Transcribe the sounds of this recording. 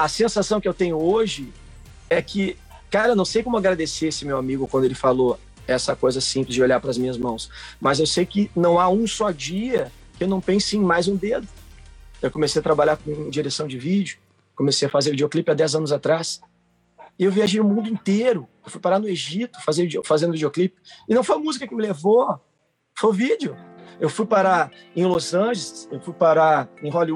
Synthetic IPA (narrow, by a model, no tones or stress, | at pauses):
ɐsẽsasɐ̃w̃kɪewt̪ẽɲʊoʒɪ | ɛkʰɪ | kaɾewnɐ̃w̃sejkõmʊaɡɾad̪eseesɪmewamiɡʊkwɐ̃nd̪ʊelɪfalo | ɛsɐkojzɐsĩplɪzd͡ʒɪoʎaɾpɾɐzmĩɲɐzmɐ̃w̃smɐzewsejkɪnɐ̃w̃aũsɔd͡ʒiɐ | kɪewnɐ̃w̃pẽsẽj̃majzũd̪ed̪ʊewkomesejɐt̪ɾabaʎaɾkõd͡ʒiɾesɐ̃w̃d͡ʒɪvid͡ʒʊ | komesejɐfazeɾvid͡ʒeoklipɪad̪ɛzɐ̃nʊzat̪ɾas | ɪewviaʒejnʊmũnd̪ʊĩt̪eɾʊewfujpaɾanʊeʒit̪ʊ̥fazẽvid͡ʒofazẽnd̪ʊvid͡ʒioklipɪɪnɐ̃w̃fojɐmuzikɐkɪmɪlevo | fojʊvid͡ʒɪʊewfujpaɾa | ẽj̃lozɐ̃ʒelɪsewfujpaɾaẽɦɔli